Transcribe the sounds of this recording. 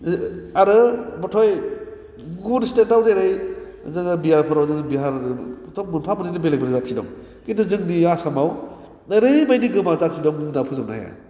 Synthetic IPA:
aɾɯbɔtʰɔj | ɡunstetawdeɾɯj | zɯŋɯbiɦaɾpʰɯɾawzɯŋɯbiɦaɾtʰɔk̚munpʰamɯnidɯbelebɯnzat̚sʰidɔ̰ŋ | kinduzɯŋniasamaw | naɾɯjbajniɡɯmat͡ʃat̚sidɔŋnapʰuzamna̰a̰ja̰

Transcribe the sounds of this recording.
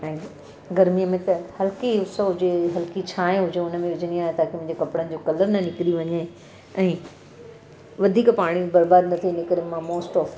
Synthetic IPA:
ɛ̃ː | ɡɐɾmijəmẽt̪ɐhɐlkiʊsoɦʊd͡ʑeɦɐlkit͡ɕʰaːɦẽɦʊd͡ʑeʊnəmẽʋɪd͡ʑəniaːɦet̪ʰaːkʰemʊ̃ːd͡ʑekɐpɪɽənɪ̆d͡ʑoːkɐləɾnɐnɪkɾiʋɐɲe | ɛ̃ː | ʋɐd̪ʱiːkpaːɽ̃ibɐɾbaːd̪nɐt̪ʰinɪkəɾemãmoːsʈɔːf

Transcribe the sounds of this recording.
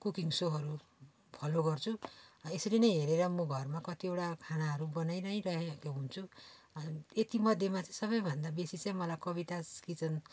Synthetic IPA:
kukiŋsoɦʌɾu | pʰʌloɡʌrt͡sʰuesʌɾinʌjɦeɾeɾʌmʌɡʱʌrmakʌt̪iewʈakʰañaɦʌɾubʌnajnʌj̃rʌɦekoɦunt͡sʰu | et̪imʌd̪ʱjemat͡saĩsʌβʌjbʱʌnd̪abesit͡sʌĩmʌlajkʌβit̪askit͡sʰʌn

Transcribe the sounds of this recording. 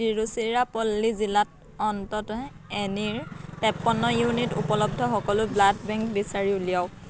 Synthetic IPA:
iɹusiɹapɔlːizilat̚ | ɔntɔt | ɛniɹpɛpːɔnːɔjunitṵpɔlɔb̚dʱɔxɔkɔlʊbladbɛŋkbisaɹiuliaw

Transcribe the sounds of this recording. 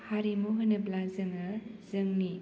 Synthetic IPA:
haɾimuɦɯnɐblanzɯŋɯzɯŋni

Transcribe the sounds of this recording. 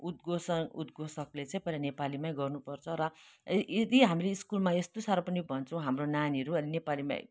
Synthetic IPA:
ut̪ɡosʌud̪̚ɡʱosʌklet͡sãĩpʌlanepalimaj̃ɡʌrnupʌrt͡sʰʌɾʌed̪iɦamileiskulmaest̪osaɾapʌnibʱʌnt͡sʰʌ̃w̃ɦamronaniɦʌɾuʌninepalimã̰ḭ̃

